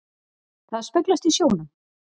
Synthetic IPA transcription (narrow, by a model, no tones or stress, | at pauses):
θaðspœklast̪isjoːwnʏ